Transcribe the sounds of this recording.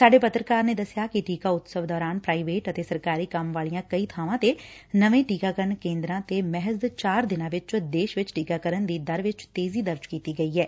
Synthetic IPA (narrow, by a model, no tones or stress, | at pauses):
saːɖeːpət̪ɾəkaːɾneːd̪əsjaːkɪʈiːkaːʊt̪səʋd̪ɔːɾaːnpɾaːiːʋeːʈət̪eːsəɾkaːɾiːkəmʋaːlijãːkəiːt̪ʰaːʋãːt̪enəʋẽːʈiːkaːkəɾnkẽːnd̪ɾãːt̪emɛɦəzd̪t͡ʃaːɾd̪ɪnãːʋɪt͡ʃd̪eːʃʋɪt͡ʃʈiːkaːkəɾənd̪iːd̪əɾʋɪt͡ʃt̪eːziːd̪əɾd͡ʒkiːt̪iːɡəiːɦɛː